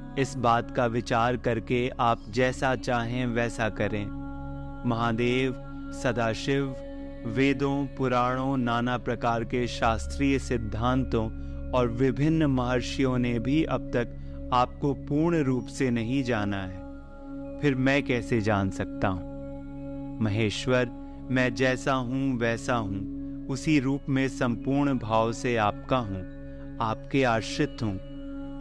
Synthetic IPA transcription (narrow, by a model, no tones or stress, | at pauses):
ɪsbaːt̪kaʋɪt͡ʃaːɾkɐɾkeaːp̚d͡ʒɛːsat͡ʃaːɦẽʋɛːsakɐɾẽː | mɐɦaːd̪eːʋ | sɐd̪aːʃɪʋ | ʋeːd̪õpʊɾaːɽõnaːnapɾɐkaːɾkeʃaːst̪ɾiːjəsɪd̪ʱːãːnt̪õ | ɔːɾʋɪbʱɪnːmaɦaːɾʃijõnebʱiʔɐb̚t̪ɐk | aːp̚kopuːɾɳɾuːpsenɐɦĩd͡ʒaːnaɦɛː | fʰɪɾmɛ̃kɛːsed͡ʒaːnsɐk̚t̪aɦũː | mɐɦeːʃwəɾ | mɛ̃d͡ʒɛːsaɦũʋɛːsaɦũ | ʊsiɾuːpmẽsɐ̃mpuːɾɳbʱaːʋseaːpkaɦũ | aːpkeaːɾʃɪt̪ɦũː